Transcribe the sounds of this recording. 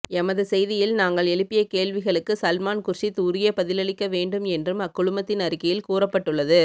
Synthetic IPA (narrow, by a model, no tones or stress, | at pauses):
ɛmɐðɯsɛjðɪjɪlnaːŋɡɐɭɛɭɪpːɪjɐkeːɭʋɪɣɐɭɯkːɯsɐlmaːnkʊrʂit̪uːɾɪjɐpɐðɪlɐɭɪkːɐʋeːɳɖɯmɛndrɯmɐkːʊɭʊmɐt̪ːɪnɐɾɯkːɐjɪlkuːrɐpːɐʈːɯɭːɐðɯ